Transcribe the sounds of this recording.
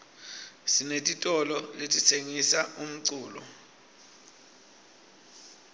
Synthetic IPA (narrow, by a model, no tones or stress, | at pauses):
sinetʼitʼɔlɔletʼisʰeŋisaum̩ǀuːlɔ̰